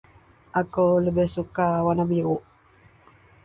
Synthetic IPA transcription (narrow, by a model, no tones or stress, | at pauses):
ʔakələbɪhsukawanabiuʔ